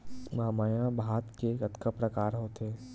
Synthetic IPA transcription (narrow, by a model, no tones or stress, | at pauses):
maːmaːjãbʱaːt̪kekɐt̪kʰəpɾɐkaːɾɦoːt̪eː